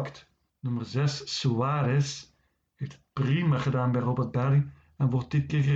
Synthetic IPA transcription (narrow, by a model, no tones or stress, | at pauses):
kt | nymərzɛsːoaːɾɛs | heːftət̚primaχədaːnbɛjrobərt̚bɛli | ɛnʋɔrt̚d̥ɪt̚kɪːrɣə